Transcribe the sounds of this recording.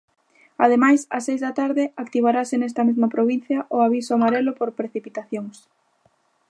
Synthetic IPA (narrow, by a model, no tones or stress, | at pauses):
aðemajsasːejzðat̪aɾðɪakt̪iβaɾasenɛst̪ɐmezmɐpɾoβ̞in̟θjɐʔoaβisʊamaɾelʊpoɾpɾeθipit̪aθjoŋs